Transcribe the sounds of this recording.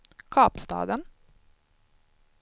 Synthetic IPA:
kʰɑːpst̪ɑ̰ːd̪ən

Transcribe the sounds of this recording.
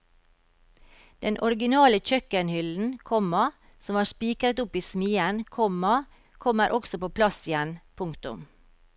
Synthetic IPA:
d̪̥ɛnʔɔɾɡɪnɑːləc͡çœkənhʏln̩kʰɔmɑ | sɔmɑːspiːkɾət̪ʊpiːsmiːənkʰɔmɑ | kʰɔməɾʔɔksɔpoːpʰlɑsɪjɛnpʰʊŋkt̪ʊ̰m

